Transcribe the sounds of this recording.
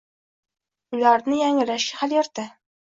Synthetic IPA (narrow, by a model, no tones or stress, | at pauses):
ʊlaɾnɪjaŋɪlaʃɡʲahaljɑɾt̪a